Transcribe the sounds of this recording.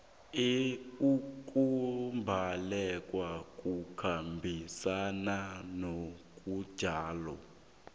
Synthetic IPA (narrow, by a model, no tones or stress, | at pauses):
eukʼumbʱalɛkʼwakʼukʰambʱisananok̬ʼud̥ʒ̥ʱaːlɔ̰